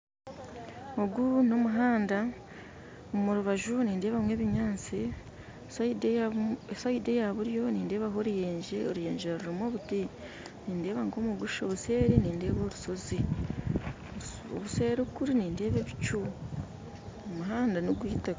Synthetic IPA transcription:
oɡunomuɦaːnda | omuɾuβaʒuniːnde̞ːβamwe̞ːβiɲaːnt͡si | sdesaide̞jaβuɾjo̞niːnde̞ːβaɦo̞ɾuje̞ːɲd͡ʒeoɾujeːɲɟeɾaɾuɾimo̞ːβuti | niːnde̞ːβaŋɡoːmuɡuʃoβuse̞ːɾiniːnde̞ːβo̞ːɾuso̞zi | oβuse̞ːɾukuɾiniːnde̞ːβeβit͡ʃu | omuɦaːndanoɡwiːta

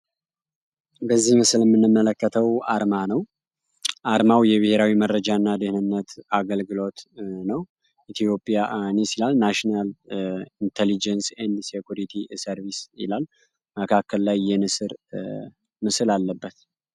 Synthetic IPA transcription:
bəzːihmɨslɛmːɨnːɨmːələkːət̪ʰəwaɾmanəw | ʔaɾmawjɛβɨhe̞ɾawiməɾːəd͡ʒanːad̪ɨhnɨnːət̪aɡəlɡɨlo̞t̪nəw | it̪ʰijo̞pʼːijanisilalnaʃnalint̪ʰelid͡ʒənsend̪sekjuɾit̪ʰisəɾvisɪ̰lalː | məkʰakʰːəlːajːɛnɨsɨɾ | mɨsɨlalːəbːət̪

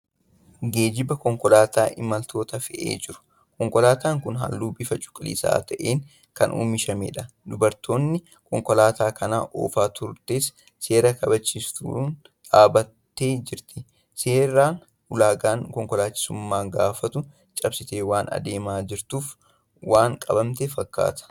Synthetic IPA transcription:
ɡe̞ːd͡ʒɪbɐkɔŋkɔlaːt̪aːʔɪmɐlt̪ʰo̞ːt̪ɐfɛʔḛːd͡ʒɪɾʊ̥ | kɔŋkɔlaːt̪aːŋkʊnɦɐ̰lːuːbɪfɐt͡ʃʼʊ̥kʼːɪlḭːsa̰ːt̪ʰɐʔeːŋ | kɐnʔṵːmɪʃɐmḛːᶑɐ | d̪ʊbɐɾt̪ʰo̞ːnːɪ | kɔŋkɔlaːt̪aːkɐna̰ːʔo̰ːfaːt̪ʰʊɾt̪eːs | se̞ːɾɐkɐbɐt͡ʃːiːst̪ṵn | ᶑaːbɐt̪ːe̞ːd͡ʒɪɾt̪ɪ | seːɾaːn | hʊlaːɡaːŋkɔŋkɔlaːt͡ʃːɪ̥sʊmːaːɡaːfɐt̪ʊ | t͡ʃʼɐbsɪt̪eːwaːnɐ̰d̪e̞ːmaːd͡ʒɪɾt̪uːf | waːŋkʼɐbɐmt̪efɐkːa̰ːt̪ɐ̥

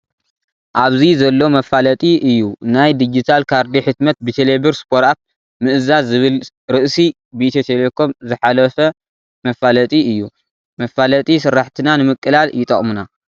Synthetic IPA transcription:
ʔaβzizɐlːomɐfalɐt̪ʼiʔɨjːunajd̪id͡ʒit̪ʰalkʰaɾd̪iħɨt̪mɐt̪̚bɨt̪ʰelebɨɾspʰoɾat̪̚ | mɨʔɨzazːɨβɨl | ɾɨʔsi | bit̪ʰet̪ʰelekʰo̞mzɨħalɐfɐ | mɐfalɐt̪ʼiɨjːu | mɐfːalɐt̪ʼisɨɾːaħt̪ʰɨnanɨmɨkʼːɨlaljɪt̪ʼɐ̰χʼmuna

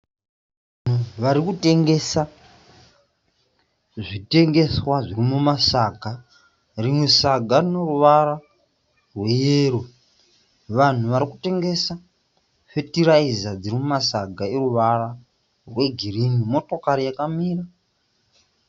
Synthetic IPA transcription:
an̤uʋaɾikute̞ŋɡe̞sa | ʐite̞ŋɡe̞swaʐirimumasaɡa | rimwesaɡʱarino̞ruʋaɾa | rwe̞jeːɾo̞ | ʋan̤uʋaɾikute̞ŋɡe̞sa | fetiɾaizad͡ziɾimumasaɡʱaeruʋara | rwe̞ɡʱirinimo̞to̞kaɾijakamiːra

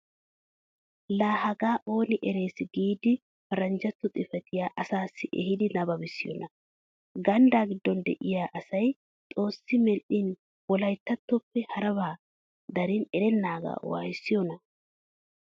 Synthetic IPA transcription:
laːhɐɡaːʔo̞ːnɪʔɛɾe̞ːsɪɡiːd̪ɪ | fɐɾɐnd͡ʒɐt̪ːɔt̪ʼɪfɛt̪ɪjaːʔɐsaːsːɪʔɛ̰hɪd̪ɪnɐbɐbɪsːɪjɔ̰nʔɐ | ɡɐnd̪aːɡɪd̪ːɔnd̪ɛ̰ʔɪjaːʔɐsɐj | t̪ʼo̞ːsːɪmɛlʔɪn | wɔlɐjt̪ːɐt̪ːɔpːɛhɐɾɐβaː | d̪ɐɾɪnɛɾɛnːaːɡa̰ːwa̰ːjɪsːɪjɔnɐ

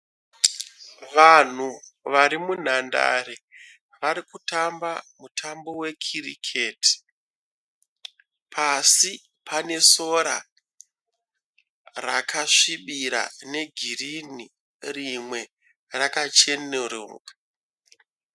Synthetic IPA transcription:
ʋan̤uʋaɾimun̤anda̰ɾe | ʋaɾikutambamutʰambo̞we̞kʰirḭkʰeti̥ | pʰasi | pʰane̞so̞ɾa̰ | rakʰaʂiɓiɾa̰ne̞ɡʱirini | rimwe̞ | rakat͡ʃe̞neroːŋɡa

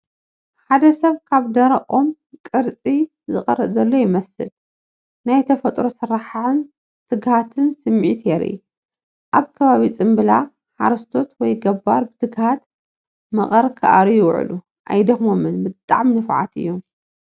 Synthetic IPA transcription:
ħad̪ɐsɐβkʰaβd̪ɐɾɐʔʼom | kʼɨɾt͡sʼi | zɨχʼɐ̰ɾɐzɐlːo̞jɪmɐsɨ̰l | najt̪ʰɐfɐt̪ʼɾo̞sɨɾːaħʕɨn | t̪ʰɨɡhat̪ʰɨnsɨmːʕit̪ʰjɛɾḭ | ʔaβkʰɐβaβit͡sʼɨmbɨla | ħa̰ɾɐst̪ʰo̞t̪wɔjɡɐbːa̰ɾbɨt̪ʰɨɡhat̪ | mɐ̰χʼɐɾkʰɨʔa̰ɾijɪwʕ̰lu | ʔa̰jd̪ɐxmomɨnbɨt̪ʼa̰ʕmnɨfʕa̰t̪ɨ̰jːo̞m

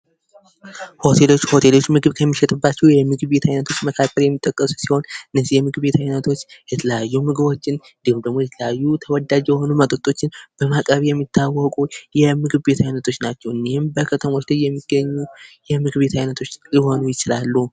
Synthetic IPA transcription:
ho̞t̪ʰe̞lo̞t͡ʃːho̞t̪ʰe̞lo̞t͡ʃːmɨɡɨβkʰəmːiʃɛt̪ʼɨbːat͡ʃːɛhwjɛmɨɡɨβbe̞t̪ʰajnət̪ʰo̞t͡ʃːməkʰakʰːəɾjɛmːit̪ʼːəkʼːəsu̥siho̞nɨnːəzːijɛmɨɡβe̞t̪ʰajnət̪ʰo̞t͡ʃːjɛt̪ʰələjajːumɨɡɨβo̞t͡ʃːɪn | nd̪iɨmd̪əɡ̚mo̞jɛt̪ʰələjajːut̪ʰəwɔd̪ad͡ʒjɛho̞numət̪ʼɨt̪ʼːo̞t͡ʃːɪnb̥əmakʼəβjɛmːit̪ʰːawːɔkʼujɛmɨɡɨβbe̞t̪ʰajnət̪ʰo̞t͡ʃːnat͡ʃːɛwɨnːihɪmbəkʰət̪ʰəmo̞t͡ʃlajːɛmːiɡ̥ːəɲːujɛmɨɡɨβbe̞t̪ʰajnət̪ʰo̞t͡ʃːjɪho̞nujɪt͡ʃɪlalːuh

